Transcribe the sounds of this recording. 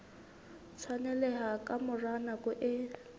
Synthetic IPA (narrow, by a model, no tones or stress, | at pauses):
t͡sʰwanɛlɛɦakʼamʊranakʼʊʔɪ